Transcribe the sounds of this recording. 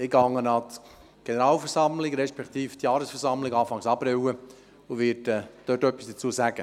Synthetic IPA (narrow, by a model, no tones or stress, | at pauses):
ɪɡɑŋːənɑt | ɡ̥enəɾɑːlfɛɾsɑmlɪɡɾɛʃpɛkt̪iːft̪jɑːɾəsfɛɾsɑmlɪɡɑːfɑŋsɑpɾɪwə | uʋɪdɛd̪̥øtœpːisd̥ət͡suːəsæɡ̥ə